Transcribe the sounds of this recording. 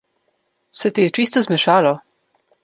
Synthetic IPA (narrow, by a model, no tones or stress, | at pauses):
sɛt̪ijɛt͡ʃist̪ɔzmɛʃaːlɔ